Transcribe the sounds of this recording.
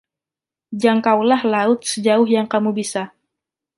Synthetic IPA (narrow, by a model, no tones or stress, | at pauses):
d͡ʒaŋkawlahlaʊt̪̚səd͡ʒaʊhjaŋkamubisa